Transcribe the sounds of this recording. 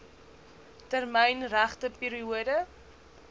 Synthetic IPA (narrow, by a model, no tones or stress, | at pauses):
tərmɛjnræχtəpiːɾiuədə